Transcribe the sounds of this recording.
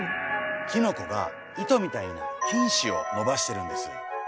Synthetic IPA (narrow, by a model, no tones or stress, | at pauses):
kʲino̞ko̞ɡa̰ | it̪o̞mʲit̪aino̰kʲĩɰ̃ɕio̞̰no̞baɕi̥t̪e̞ɾɯ̟̃nd̪e̞sɨ̥̰